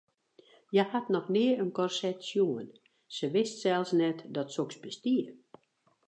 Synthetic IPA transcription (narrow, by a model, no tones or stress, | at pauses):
jəhatnɔxnɪəənkɔrsɛtsjuən | səʋɪstsɛlˠsnɛtdɔtsoksbəstiə